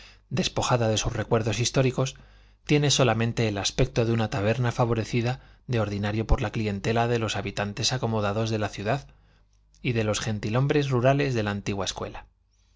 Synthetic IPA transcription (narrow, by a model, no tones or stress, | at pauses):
d̪e̞spo̞xaðaðe̞suzre̞kwe̞ɾðo̞sist̪o̞ɾiko̞s | t̪je̞ne̞so̞lamẽ̞nt̪e̞ːlaspe̞k̚t̪o̞ðeunat̪aβ̞e̞ɾnafaβo̞ɾe̞θiðaðe̞o̞ɾðinaɾjo̞po̞ɾlaklie̞nt̪e̞laðe̞lo̞saβit̪ant̪e̞sako̞mo̞ðaðo̞zðe̞laθjuðað | iðe̞lo̞sxe̞nt̪ilo̞mbɾe̞zruɾale̞zðe̞laːnt̪iɣwaeskwe̞̰la